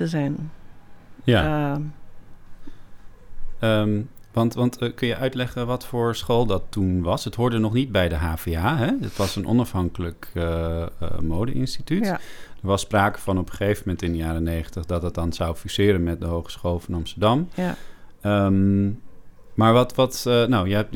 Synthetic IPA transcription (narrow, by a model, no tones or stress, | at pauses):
əzɛjn | ja | əmʋɑntʋɑntkɵnjəʔœɥtlɛχənʋɑtfʊːɹsχolˠdɑtːunʋɑsɦətɦʊːɹdənɔχnit̚bɛjdəɦaːv̥eaːɦɛətʋɑsənʔɔ̰nɑfɦɑŋkələkə | mowdə̰ʔɪ̰nstitytdəɹʋɑspraːkə̥vɑnɔpəχejvəmɛntɪndəjaːɾənejχəntəχdɑtɦɑt̚dɑnz̥awfisɪːɾənmɛt̚dəɦowχə̥sχoːlˠvɑnɑmstəɹdɑm | əm | maːɹʋɑtʋɑtnowjəɦɛp̚